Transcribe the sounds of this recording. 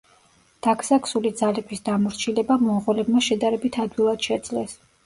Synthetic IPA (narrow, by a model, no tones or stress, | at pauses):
d̪̥akʰsaksulid̪zalɛbisd̪amɔɾt͡ʃʰilɛbamɔʁɔlɛbmaʃɛd̪aɾɛbit̪ʰad̪wilˠad̪̥ʃɛd̪zlɛs